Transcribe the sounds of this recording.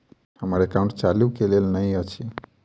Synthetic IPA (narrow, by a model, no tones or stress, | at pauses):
həmaɾekaʊ̃ɳʈt͡ʃalukelelnəɦĩət͡ʃʰi